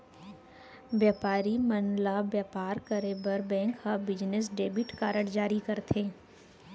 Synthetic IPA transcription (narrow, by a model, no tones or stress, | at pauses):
ʋjaːpaːɾimɐnlabjaːpaːɾkəɾebɐɾbɛ̃ːŋkhabɪd͡ʒnɪs̬ɖeːbɪʈkaːɾəɽd͡ʒaːɾikɐɾt̪ʰẽː